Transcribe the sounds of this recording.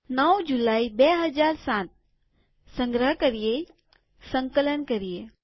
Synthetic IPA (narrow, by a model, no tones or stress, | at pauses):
nəwd͡ʒulaibeɦəd͡ʒaːɾsãt̪̚ | sə̃ŋɡɾəɦkəɾije | sə̃ŋkələnkəɾije